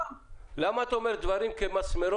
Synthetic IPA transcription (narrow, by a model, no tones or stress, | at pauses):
lamaːt̪aomeɾd̪vaɾimkemasmeɾo